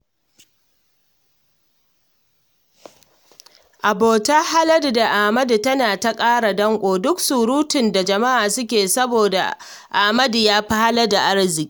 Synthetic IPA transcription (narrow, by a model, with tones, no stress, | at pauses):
ʔa˨boː˨ta˦ha˦lɐ˦dda˨ʔa˨mɐ˦du˨tɐ˦naː˨ta˦kʼaː˦ɽa˨dɐ˦ŋkʷʼoː˨dʊ˦ksu˨ɾuː˦tɪ˨nda˨d͡ʒɐ˨ma˦ʔaː˨sʊ˦kʲeː˨sɐ˦boː˨da̰˨ | ʔa˨mɐ˦djaː˦ɸa˦ha˦lɐ˦da˨ʔa˦ɽzɪ˨kʲʼi˦